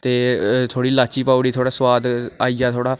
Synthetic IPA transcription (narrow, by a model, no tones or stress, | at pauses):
t̪eːt̪ʰoːɽiːlaːt͡ʃiːpaːuɽiːt̪ʰoːɽaːsəwaːd̪aːiːaːt̪ʰoːɽaː